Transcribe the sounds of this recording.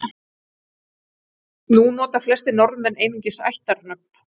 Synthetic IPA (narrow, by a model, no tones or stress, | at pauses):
nunɔːt̪ḁflɛst̪ɪnɔɾmvɛneːjniɲcɪsa̰jht̪aɾnœp̚n̥